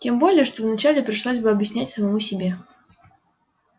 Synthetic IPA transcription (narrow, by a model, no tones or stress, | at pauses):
tʲembolʲɪjəʂt̪ovnɐt͡ɕalʲɪpɾʲɪʂlˠozʲbɨɐbjɪsʲnʲætʲsəmɐmusʲɪbʲe